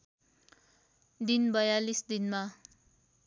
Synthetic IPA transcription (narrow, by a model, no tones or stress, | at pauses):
d̪inbʌjalisd̪inma